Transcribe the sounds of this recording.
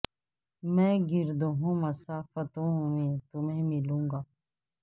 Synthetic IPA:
mɛ̃ːɡɪɾd̪oɦõːməsaːfət̪õːmẽːt̪ʊmẽːmɪlũːŋɡaː

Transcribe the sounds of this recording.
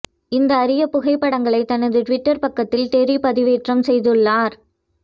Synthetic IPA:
ɪnd̪ɐːɾɪjɐpʊɣɐɪpːɐɽɐŋɡɐɭɐɪt̪ːɐnɐðɯʈʋɪʈːɐɾpɐkːɐt̪ːɪlt̪eɾipɐðɪʋeːʈrɐmsɛjðɯɭːaːɾ

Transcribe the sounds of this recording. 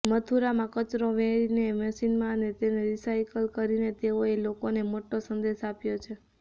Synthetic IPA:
mət̪ʰuɾamãkət͡ʃɾoʋɛ̃ɾinemɛsinmãnet̪eneɾisajkəlkəɾinet̪eoelokonemoʈosənd̪eʃapjot͡ʃʰe

